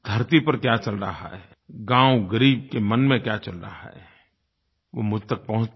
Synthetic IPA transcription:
d̪ʱɐɾt̪ipɐɾkjat͡ʃɐlɾa̰ɦa̰ɦɛːɡãːwɡəɾiːb̚kemɐnmẽkjat͡ʃɐlɾa̰ɦa̰ɦɛ̰ː | ʋoːmʊd͡ʒʱt̪ɐk̚pɐɦʊ̃t͡ʃ

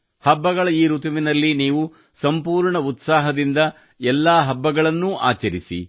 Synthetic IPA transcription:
hɐbːɐɡɐɭɐiːɾut̪ɐʋinɐlːiniːʋu | sɐmpuːɾɳɐut̪saːɦɐd̪ind̪ɐ | ɛlːaːɦɐbːɐɡɐɭɐnːuʔa̰ːt͡ʃɐɾisḭ

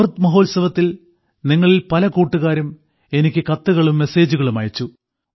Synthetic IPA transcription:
rt̪mɐɦo̞ːlsɐʋɐt̪ːil | niŋːɐɭilpɐlɐkuːʈːuɣaːɾum | e̞nikʲːɨkɐt̪ːuɣɐɭumːe̞se̞ːd͡ʑuɣɐɭumɐjɐt͡ɕːu

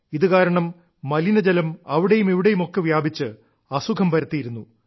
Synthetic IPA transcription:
iðɨkaːɾɐɳɐmː | ɐlinɐd͡ʑɐlɐmɐʋiɽe̞jumiʋiɽe̞jumo̞kːeʋjaːbʱit͡ɕːɨ | ɐsukʰɐmpɐɾɐt̪ːijiɾunːu

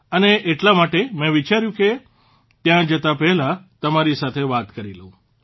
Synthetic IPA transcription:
əneʔeʈlamaʈemɛ̃ʋit͡ʃaɾjũke | t̪jãd͡ʒət̪apɛɦlat̪əmaɾisat̪ʰeʋat̪kəɾiləũ

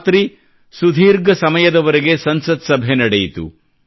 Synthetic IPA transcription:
t̪ɾi | sud̪ʱiːɾɡɐsɐmɐjɐd̪ɐʋɐɾeɡe̞sɐnsɐt̪sɐbʱenɐɽejit̪ṵ

